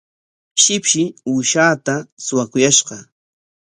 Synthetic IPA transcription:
ʃɪpʃɪuːʃaːt̪asʊwakʊjaʃɢɑ

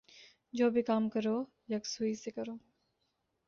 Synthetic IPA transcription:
d͡ʒoːbʱikaːmkəɾoː | jɐksuisekɐɾoː

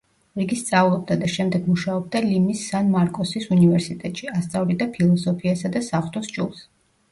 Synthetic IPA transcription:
ɾiɡist̪sʼavlˠɔb̚d̪ad̪aʃɛmd̪ɛɡmuʃaɔb̚d̪alimisːanmaɾkʼɔsisunivɛɾsit̪ʼɛt̪ʼʃiast̪sʼavlid̪apʰilˠɔsɔpʰiasad̪asaχt̪ʰʼɔsd͡ʒʼulˠs

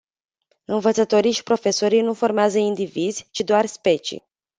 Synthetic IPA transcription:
ɨnvət̪sət̪o̞ɾijʃi̥pɾo̞fe̞so̞ɾijnufo̞rmeazəind̪ivizʲt͡ʃid̪oarspe̞t͡ʃḭ

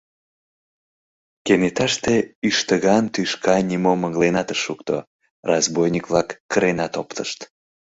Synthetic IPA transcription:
kenet̪ɑʃt̪eyʃt̪əɣɑnt̪yʃkɑnʲimoməɣlenɑt̪əʃukt̪o̰ | rɑzbojnʲikvlɑkːəɾenɑt̪opt̪ʰəʃt̪

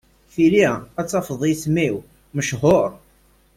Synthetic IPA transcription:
θiliæt͡sːɑfəðˤiθmiw | məʃhoɾˤ

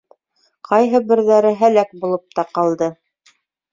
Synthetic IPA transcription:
qɑjɦɤbɘ̆ɾðæɾɘɦælæk̚bulˠɤp̚t̪ɑqɑlˠd̪ɤ

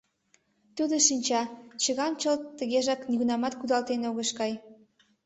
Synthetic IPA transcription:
t̪ud̪oʃinʲt͡ɕɑt͡ɕəɣɑmt͡ɕəlt̪t̪ːə̆ɣeʒɑkniɣunɑmɑt̪kud̪ɑlt̪enoɣəʃkɑj

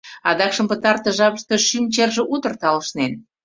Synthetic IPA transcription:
ɑd̪ɑkʃəmpət̪ɑrt̪ə̆ʒɑβəʃt̪eʃymt͡ɕerʒĕʔut̪ərt̪ɑləʃnen

